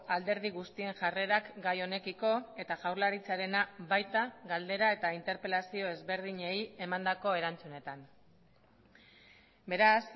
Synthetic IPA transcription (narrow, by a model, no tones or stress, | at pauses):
ald̪e̞ɾð̞iɣust̪ie̞ŋʝare̞ɾakɡajo̞ne̞kiko̞e̞t̪aʝawɾlaɾit͡saɾe̞nabajt̪aɣald̪e̞ɾae̞t̪aint̪e̞ɾpe̞lasio̞e̞zβe̞ɾð̞iɲe̞je̞mand̪ako̞e̞ɾant͡sune̞t̪an | be̞ɾas